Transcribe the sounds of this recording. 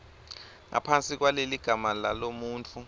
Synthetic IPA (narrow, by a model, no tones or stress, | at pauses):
ŋʔa̰pʰant͡sʼik̬waleliɡ̥ʱamalalomuːnt͡fʰu